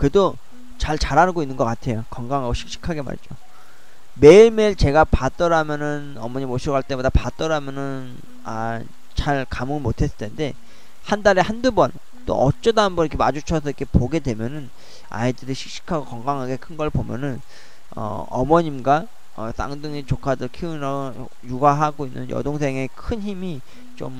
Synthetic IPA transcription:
kɯedo | t͡ɕaɭt͡ɕaɾanɯɡoinːɯnɡʌk͈atʰe̞jokʌŋɡaŋɦaɡoɕʰi̥k̚ɕ͈i̥kʰaɡe̞ma̰ɾd͡ʑo | me̞meɭt͡ɕe̞ɡapat͈ʌɾamjʌnɯnʌmʌɲimoɕʰiɾʌɣaɭt͈e̞bodapat͈ʌɾamjʌnɯn | a | t͡ɕaɭkamɯnmotʰe̞s͈ɯ̥tʰende̞ | handaɾe̞handubʌn | t͈o̰ʌt͡ɕ͈ʌdaɦambʌnikʰe̞mad͡ʑut͡ɕʰʌsʰʌikʰe̞poɡe̞dwe̞mjʌnɯn | a̰idɯɾiɕʰi̥k̚ɕ͈i̥kʰaɡokʌŋɡaŋɦaɡe̞kʰɯnɡʌɭpomjʌ̰nɯn | ʌ̰ | ʌ̰mʌɲimɡwa | ʌs͈a̰ŋdɯŋet͡ɕokʰadɯɭkʰinʌ | juɡaɦaɡoinːɯnjʌ̰doŋsʰeŋe̞kʰɯnçimi | t͡ɕom

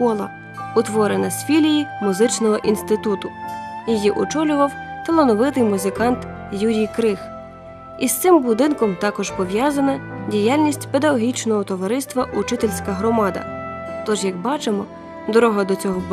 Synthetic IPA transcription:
pɔlˠɐ | ʊt̪ʋɔɾenɐsʲfʲilʲijimʊzɪt͡ʃnɔɦɔʔinst̪ɪt̪ut̪ʊjejiʔɔt͡ʃɔlʲʊʋɐwt̪ɐlˠɐnɔʋɪt̪ɪjmʊzɪkɑnt̪ | juɾʲijkɾɪx | ist̪sɪmbʊd̪ɪnkɔmt̪ɑkɔʒpɔʋjɑzɐnɐdʲijalʲnʲisʲtʲped̪ɐɦɔɦʲit͡ʃnɔɦɔt̪ɔʋɐɾɪst̪ʋɐʔut͡ʃɪt̪elʲsʲkɐɦɾɔmɑd̪ɐ̰ | t̪ɔʒjɐɡbɑt͡ʃemɔ | d̪ɔɾɔɦɐd̪ɔt͡sʲɔɦɔ

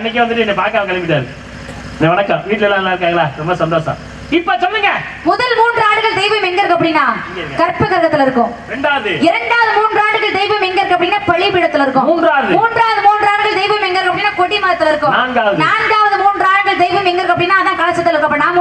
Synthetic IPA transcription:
ɐnːɪk̬ʲːɛʋɐnd̪ɯʈːɯɛnːɛpaːɾkaːʋkɐlɐmɡɪʈ̪ːaːɾɯ | nɛʋɐnɐkːɐ̃ʋiːʈːɪlɛlːãɪlːãːɪɾɯkːaːŋɡɐɭaːɾɔmbɐsɐnd̪oːʂɐ̰̃ | ɪpːoːsɔnd̪iːŋɡɐ | mʊðɐlmuːndraːɽɯɣɐɭd̪ɛɪʋɐmɛŋɡɐɾɯkːɐpːɐɽɪnːaːŋɡɐɐkɐɾpːɐɣɐɾɣɐt̪ːɪlɪɾɯkːʊ̃mɪɾɛɳɖaːʋɐðɯɪɾɐɳɖaːʋɐðɯmuːndraːɖɯɣɐɭd̪ɛɪʋɐmɛŋɡɐɪɾɯkːɐpɐɽɪnːaːpɐɻɪpɪɽɐt̪ːɪlɪɾɯkːʊ̃muːnɾaːɾðɯmuːndraːʋɐðɯmuːndraːɽɯɣɐɭd̪ɛɪʋɐmɛŋɡɐɾkɐpːɐɽɪnːaːkɔɽimɐːɾɐt̪ːɪlɪɾɯkːʊ̃mnaːnɡaːʋɐðnaːnɡaːʋɐðɯmuːndrɯaːɽɯɣɐɭd̪ɛɪʋɐmɛŋɡɐɾɯkːɐpːɐɽɪnːaːðãːkɐlɐsɐt̪ːɐlɪɾɯkːɐpːɐɽɪnːaːm

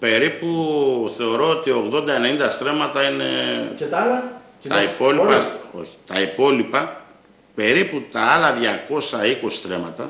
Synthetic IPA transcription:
pe̞ɾipuθe̞o̞ɾo̞ot̪io̞ɣðo̞nd̪ɐenenind̪ɐst̪ɾe̞mɐt̪ɐine̞̰t̪l | t̪ɐipo̞lipɐo̞̰çi̥t̪ɐipo̞lipɐ | pe̞ɾiput̪ɐɐlɐðʝɐko̞sɐikosi̥sθɾe̞mɐt̪ɐ̰

